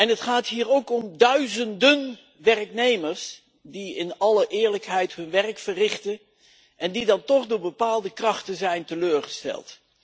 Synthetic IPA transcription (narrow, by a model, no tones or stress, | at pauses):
ɛnɦətχaːtɦiːɹowkɔmdœɥzəndən | ʋɛrknejməɹs | diɪnɑləʔɪːɹləkɦɛjtɦɵnʋɛrkfərɪχtə | ʔɛndidɑntɔχdʊːɹbəpaːlˠdəkrɑχtənzɛjntəløːɹχəstɛ̰lˠt